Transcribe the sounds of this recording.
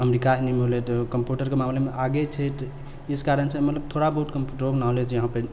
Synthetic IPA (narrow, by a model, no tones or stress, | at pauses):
əmɾikaɦnimelet̪kəmpjuʈəɾkemamlemeʔaɡet͡ʃʰet̪ | iskaɾənsẽmət̪ləb̚t̪ʰoɽabəɦut̪kəmpuʈɾoɡnaɦolet͡ʃjəɦãpə